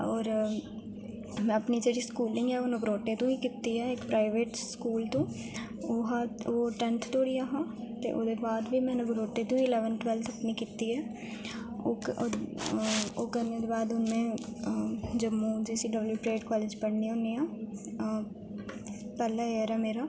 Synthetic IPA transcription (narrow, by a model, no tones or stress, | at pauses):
ɔːɾ | mɛ̃ːəpniːd͡ʒeːɽiːskuːlɪ̃ŋɡɛːonəɡɾoːʈeːt̪õːiːkit̪ːiːɦɛːɪkpɾaːɪʋeːʈskuːlt̪õː | oːɦaːoːʈɛnt̪ʰt̪oːɽiːaɦãːt̪ḛːʔo̰ːd̪eːbaːd̪ʋiːmɛ̃ːnəɡɾoːʈeːt̪ũːiɪlɛːʋənʈʋɛːlt̪ʰəpniːkit̪iːɦɛː | oː | oːkəɾneːd̪eːbaːd̪ʊnẽː | d͡ʒəmːũːd͡ʒiːsiːɖəbljuːpɾeːʈkɔːleːd͡ʒpəɽniːõːniːaː | pɛːlaːeəɾɛːmeːɾaː